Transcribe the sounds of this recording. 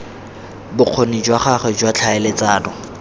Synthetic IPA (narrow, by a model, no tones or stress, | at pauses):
bʊq͡χʰonid͡ʒwaχaχɛd͡ʒwat͡ɬʰaɪlɪt͡saːdɔ